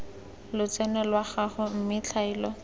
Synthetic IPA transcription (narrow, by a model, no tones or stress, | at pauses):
lʊt͡sɛnɛlwaχaχʊm̩mɪt͡ɬʰaiːlɔ